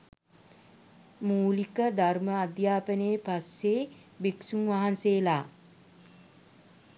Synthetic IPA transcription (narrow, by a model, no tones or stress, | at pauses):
muːlikəd̪arməad̪jaːpəneːpasːeːbiksumʋaɦanseːlaː